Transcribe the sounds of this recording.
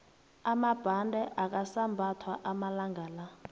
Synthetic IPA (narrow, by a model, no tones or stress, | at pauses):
amab̥ʱandʱɛʔak̬ʼasambʱatʰwaʔamalaŋɡʱaːla